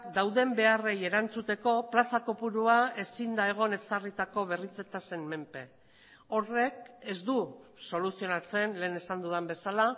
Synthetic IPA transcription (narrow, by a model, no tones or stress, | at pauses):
d̪awðe̞mbe̞are̞je̞ɾant͡sut̪e̞ko̞plasako̞puɾuae̞sind̪ae̞ɣ̞o̞ne̞sarit̪ako̞β̞e̞rit͡se̞t̪ase̞nme̞mpe̞ | o̞re̞ke̞zd̪uso̞lusio̞nat͡se̞nle̞ːne̞sand̪uðembe̞sala